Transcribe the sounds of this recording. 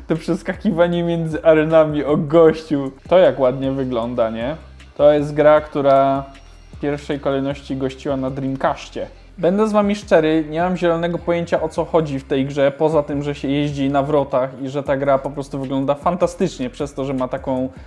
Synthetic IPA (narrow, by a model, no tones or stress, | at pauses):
t̪ɔpʂɛskakʲivaɲɛmʲjɛnd̪zɘʔaɾɛnamʲiɔɡɔɕt͡ɕut̪ɔjakwad̪ɲɛvɘɡlɔnd̪aɲɛ | t̪ɔjɛst̪̚ɡɾakt̪uɾa | pʲjɛɾfʂɛjkɔlɛjnɔɕt͡ɕiɡɔɕt͡ɕiwanad̪ɾʲimkaɕt͡ɕɛ | bɛnd̪ɛzvamʲiʂt͡ʂɛɾɘɲɛmamʑɛlɔnɛɡɔpɔjeɲt͡ɕaʔɔt̪sɔxɔd͡ʑift̪ɛjɡʐɛpɔzat̪ɘmʐɛɕɛjeʑd͡ʑinavɾɔt̪axiʐɛt̪aɡɾapɔpɾɔst̪uvɘɡlɔnd̪afant̪ast̪ɘt͡ʂɲɛpʂɛst̪ɔʐɛmat̪akɔ̃w̃